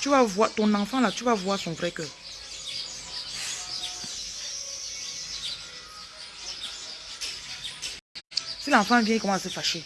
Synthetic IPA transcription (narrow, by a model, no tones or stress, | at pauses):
tyvavwat̪ɔ̃nãfãlatuvavwasɔ̃vɾɛkœ | silãfãvjɛ̃kɔmãsefaʃe